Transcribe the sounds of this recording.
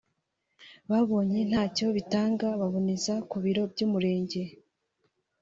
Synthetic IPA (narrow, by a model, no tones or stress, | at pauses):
βaβo̞ːɲen̥haːco̞βitaːŋɡaβaβonizakuβiɾo̞bɟuːmuɾe̞ːɲɟe̞